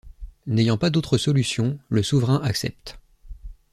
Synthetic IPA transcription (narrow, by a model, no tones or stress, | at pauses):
nejɑ̃pad̪ot̪χəsɔlysjɔ̃ləsuvʁɛ̃ʔaksɛ̰p̚t̪